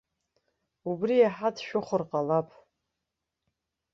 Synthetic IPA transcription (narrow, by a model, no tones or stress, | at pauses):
ubrijaħatʰʃᶣʊχʷʊrqʼalapʼ